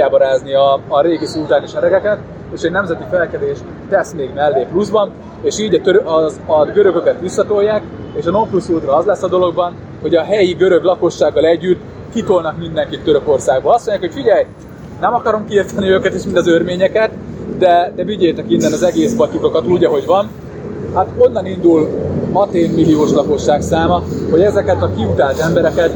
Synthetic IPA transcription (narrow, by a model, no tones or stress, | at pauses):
aːbɒɾaːzniɒːɾeːɡisult̪aːniʃɛɾɛɡɛkɛt̪ | eːʃɛɟnɛmzɛt̪ifɛlkɛd̪eːʃ | t̪ɛsmeːɡmɛlːeːpluzbɒn | eːʃiːɟɒt̪øɾøʔzɒɡøɾø̞ɡø̞kɛt̪ʋisːɒt̪o̞jːaːk | eːʃɒno̞mplusuld̪rɒɒzlɛsːɒd̪o̞lo̞ɡbɒn | ho̞ɟɒɦɛjiɡø̞ɾø̞ɡlɒko̞ʃːaːɡːɒlɛɟːyt̪ː | kit̪o̞lnɒkmind̪ɛŋkit̪ːøɾø̞ko̞rsaːɡ̚boːlɒst̪mo̞ɲɟjaːkhocʲfiɟɛj | nɛmɒkɒɾo̞mkiiːrt̪ɛniøːkɛt̪eːʃmind̪ɒzørmeːɲɛkɛt̪d̪ɛd̪ɛviɟeːjt̪ɛkinːɛnɒzɛɡeːspɒt̪ikɒkɒt̪uluɟɛɦo̞ɟvɒn | hat̪o̞nːɒnind̪ulhɒt̪eːmːilioːʃlɒko̞ʃːaːksaːmɒho̞ɟɛzɛkɛt̪ɒkiut̪aːlt̪ɛmbɛɾɛkɛt̪